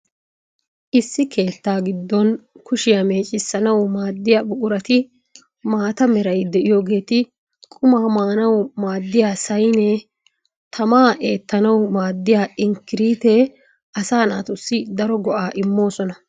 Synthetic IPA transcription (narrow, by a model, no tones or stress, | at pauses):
ʔɪsːɪke̞ːt̪ːaːɡɪd̪ːɔnkʊʃɪjame̞ːt͡ʃʼɪsːɐnɐwmaːd̪ːɪjaːbʊkʼʊɾɐt̪ɪ | maːt̪ɐmɛɾɐjd̪ɛʔɪjo̞ːɡe̞ːt̪ɪ | kʼʊmaːmaːnɐwmaːd̪ːɪjaːsɐjnɛ | t̪ʰɐmaːʔe̞ːt̪ːɐnɐwmaːd̪ːɪjaːɪŋkɪɾiːt̪ɛ | ʔɐsaːna̰ːt̪ʊsːɪd̪ɐɾɔɡɔʔaːʔɪmːo̞ːsɔnɐ